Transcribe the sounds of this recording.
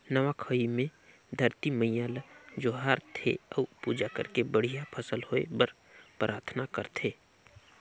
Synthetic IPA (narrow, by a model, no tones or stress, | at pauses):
nəʋakʰəimẽ | d̪ʱəɾt̪iməjaːld͡ʒoɦaːɾt̪ʰḛɔupuːd͡ʒakə̰ɾkebəɽ̤ijapʰəsəlhoḛbəɾ | pɾʔaːɾt̪ʰnakəɾt̪ʰeː